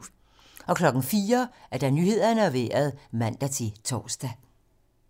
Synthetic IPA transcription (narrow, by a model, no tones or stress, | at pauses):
ɒ̽kʰlɒ̽ɡ̥n̩fiːɐæɐd̥ɑ̈nyhe̝ð̞̰ˠɐnəæʋḛːɐð̞ˠmæn̰d̥æt͡sʰe̝t͡sʰɒ̰ːsd̥æ